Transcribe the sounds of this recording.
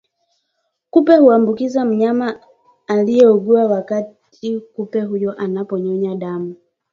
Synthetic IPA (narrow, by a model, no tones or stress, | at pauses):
kupɛhuambukizam̩ɲamaː | lijɛɔɡuawakatʰ | ikupɛɦujɔʔanapɔɲɔɲaɗamu